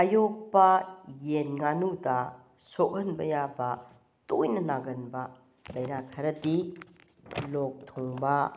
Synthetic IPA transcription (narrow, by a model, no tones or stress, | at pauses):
ajok̚pɐjenŋanudɐ | sok̚ɐnbɐjabɐ | tojnɐnaɡɐnbɐ | lɐjnakʰɐɾɐdi | lok̚tʰoŋbɐ